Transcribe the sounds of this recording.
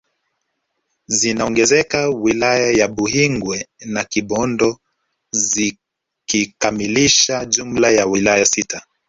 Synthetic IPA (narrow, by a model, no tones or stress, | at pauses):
zinaɔŋɡɛzɛkawilajajaɓuɦiŋɡwɛnakiɓɔndɔ | zi | kikamiliʃaʄum̩lajawilajasita